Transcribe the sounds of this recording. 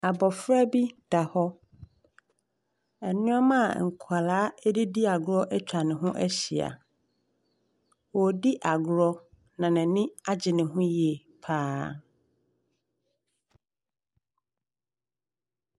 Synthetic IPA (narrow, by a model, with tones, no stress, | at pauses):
a˨bɔ˨fɾa˦bi˦d̥a˨hɔ˦ | ɛ˨nʊ̃˦ɔ˦mã˦˨ŋ̩˨kʰa˨laː˨˦ɛ˦di˦di˦a˨ɡʊ˨ɾɔ˦ʔɛ˦t͡ɕᶣa˨nɪ̃˨ɦʊ̃˦ʔɛ˦ɕi˨a̰˨ | wɔ˨di˦ʔa˨ɡʊ˨ɾɔ˦ | nã˨nɪ̃˨nɪ̃˦a˦d͡ʑɪ˨nɪ̃˨ɦʊ̃˦ji˦ɛ˨ | pʰaː˦